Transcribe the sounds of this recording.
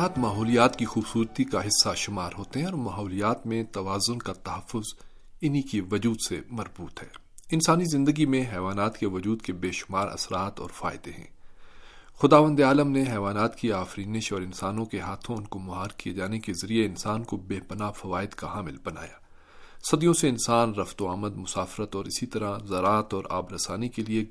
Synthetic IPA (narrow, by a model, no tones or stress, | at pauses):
aːt̪maːɦɔːlijaːt̪kixuːbsuːɾt̪ikaɦɪsːaʃʊmaːɾɦoːt̪eɦɛ̃ɔːɾmaːɦɔːlijaːt̪mẽt̪ɐʋaːzʊnkat̪ɐɦɐfːʊz | ɪnikiʋɐd͡ʒuːd̪semɐɾbuːt̪hɛ̰ː | ɪnsaːnizɪ̃nd̪əɡimẽɦɛːʋaːnaːt̪keʋɐd͡ʒuːd̪kebeːʃʊ̥maːɾʔɐ̰sɾaːt̪ɔ̰ːɾfa̰ːɪd̪eɦɛ̰̃ː | xʊd̪aːʋə̃nd̪eaːləmneɦɛːʋaːnaːt̪kiaːfɾiːnɪʃɔːɾɪ̃nsaːnõkeɦaːt̪ʰõʊnkomʊɦaːɾkied͡ʒaːnekezɐɾieɪnsaːnkobeːpɐnaːfɐʋaːɪd̪kaɦaːmɪlbɐna̰ːjaː | sɐd̪ijõseɪnsaːnɾɐft̪oaːməd̪mʊsaːfɪɾət̪ɔːɾɪsit̪ɐɾazɐɾaːt̪ɔːɾa̰ːbɾɐsaːnikelie